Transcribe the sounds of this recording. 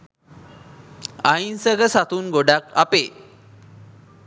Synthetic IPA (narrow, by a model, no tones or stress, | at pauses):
ainsəɡəsat̪unɡoɖaka̰pe